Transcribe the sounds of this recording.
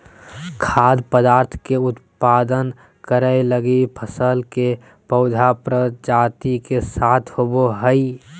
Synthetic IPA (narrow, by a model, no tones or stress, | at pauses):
kʰaːd̪pəd̪aːɾt̪ʰkeʊt̪pad̪ən | kəɾəeləɡipʰəsəlke | pəʊd̪ʱapɾəd͡ʒat̪ikesaːt̪ʰhoboɦəi